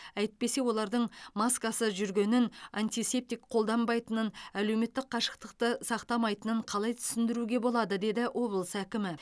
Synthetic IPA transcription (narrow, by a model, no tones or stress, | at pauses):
æjt̪̚pe̞se̞wo̞lˠɑɾd̪əɴmaskasəʒʏɾɡʲe̞nɪnant̪ijse̞p̚t̪ijkqʰo̞lˠd̪ɑmbɑjt̪ənənæle̞wme̞t̪ːɪk̚qʰɑʃə̥qt̪əqt̪əsɑqt̪ɑmɑjt̪ənəɴqʰɑlˠɑjt̪ʰʏ̥sɪnd̪ɪɾuɡʲe̞bo̞lˠɑd̪əd̪e̞d̪ɪʔo̞blˠəsækʲɪmɪ